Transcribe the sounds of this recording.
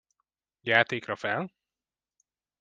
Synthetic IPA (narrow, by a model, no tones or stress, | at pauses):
jaːt̪eːkrɒfɛl